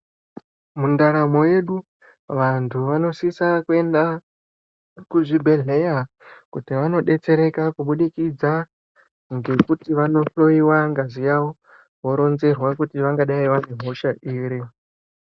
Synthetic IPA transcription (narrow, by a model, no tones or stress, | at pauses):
mundaɾamo̞je̞ɗu | ʋantʰuʋano̞sisakue̞nda | kuʐibʱe̞ɮe̞ja | kutiʋano̞ɗe̞t͡se̞ɾe̞kakuɓuɗikid͡za | ŋɡe̞kutiʋano̞ɬo̞iwaŋɡazijawo | wo̞ɾo̞nze̞rwakutiʋaŋɡaɗaiʋane̞ɦo̞ʃaʔiːɾi